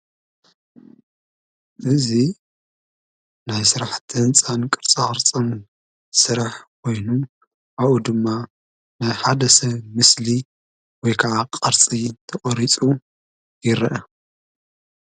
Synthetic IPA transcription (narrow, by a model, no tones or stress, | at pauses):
ʔɨzi | najsɨɾaħt̪ʰɨnt͡sʼankʼɨɾt͡sʼaɾt͡sʼɐn | sɨɾaħkʰo̞jnu | ʔaβud̪ɨmːa | najħad̪ɐsɐβmɨsli | wɔjkʰɐʕaqʼɐɾt͡sʼit̪ʰɐχʼɔɾit͡sʼu | jɪɾɐʔɐ